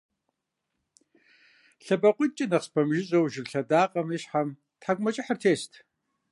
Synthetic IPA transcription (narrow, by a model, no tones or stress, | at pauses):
ɬɐbɐqʷʼʊt͡ʃʼɪnɐqspʰɐmʒɪɕʼowʒɪrɬɐdaːqʼɐmiɕħam | tħaɡʷmɐt͡ʃʼɪħartʰeːstʰ